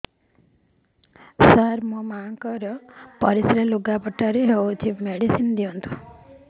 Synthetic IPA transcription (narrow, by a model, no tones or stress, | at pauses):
saɾmɔmaŋkɔɾɔpɔɾisɾeluɡapɔʈːaɾiɦewt͡ʃʰimeɽisind̪iont̪ʰu̥